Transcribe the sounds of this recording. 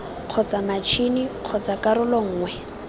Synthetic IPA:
q͡χʰɔt͡samat͡ʃʰiniq͡χʰɔt͡sakaɾʊlɔŋ̩ːŋwɛ

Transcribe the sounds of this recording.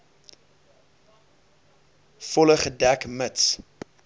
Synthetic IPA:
fɔləχədækməts

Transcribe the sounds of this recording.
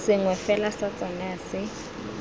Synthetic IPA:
sɪŋwɛfɛlasat͡sʼɔŋɡaːsɪ

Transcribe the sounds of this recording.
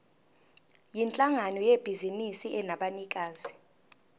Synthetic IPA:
jint͡ɬʼaŋanɔjeb̥ʱizinisiʔɛnaɓanik̬ʼaːzi

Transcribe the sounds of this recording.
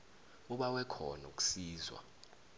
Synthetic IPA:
uɓawɛkʰɔ̰nuk̬ʼu̥siːzwa̰

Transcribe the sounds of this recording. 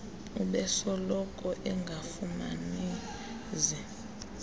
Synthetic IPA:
uɓɛsɔlɔkʼɔʔɛŋɡʱafuma̰ni | zi

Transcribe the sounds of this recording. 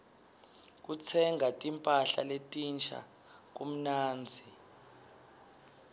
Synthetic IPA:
k̬ut͡sʰɛŋʱatʼimpʼaɬa̰letʼint͡ʃʰʼa̰ | k̬um̩naːnd͡zʱi

